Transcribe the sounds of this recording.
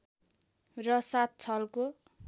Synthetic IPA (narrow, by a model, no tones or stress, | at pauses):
rʌsat̪̚t͡sʰʌlko